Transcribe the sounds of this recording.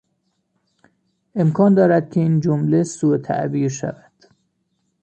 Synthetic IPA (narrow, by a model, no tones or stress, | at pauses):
ʔe̞mkʰɒːnd̪ɒːɾæd̪̥̚cʰʲeiːnd͡ʒomlesuet̪ʰæ̰ʔbiːɾʃæ̰væd̪̥